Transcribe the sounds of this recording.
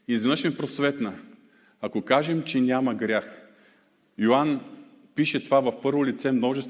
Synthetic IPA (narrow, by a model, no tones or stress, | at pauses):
izvinəʃmɛpɾosvɛt̪nə | akokaʒɛmt͡ʃɛnʲamɐɡɾʲax | joan | piʃɛt̪ovavɐfpɤɾvolit̪sɛmnɔʒɛst̪